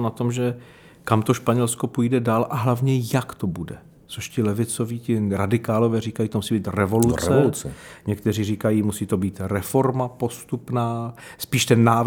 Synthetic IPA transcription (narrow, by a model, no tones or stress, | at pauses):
nat̪omʒɛ | kamt̪o̞ʃpaɲɛlsko̞pujdɛdaːlʔaɦlavɲɛjakt̪obudɛ | t͡soʃcɪlɛvɪt͡soviːcɪɾadɪkaːlovɛːriːkajit̪omusiːbiːt̪rɛvo̞lut͡sɛt͡sɲɛkt̪ɛriːriːkajiːmusiːt̪o̞biːt̪ɾɛfo̞ɾmapo̞st̪upnaːspiːʃt̪ɛnːaː